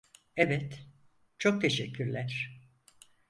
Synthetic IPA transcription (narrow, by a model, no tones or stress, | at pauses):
ɛvɛt̪ | t͡ʃʰok̚t̪ʰe̞ʃɛcːyɾlʲæɾ̥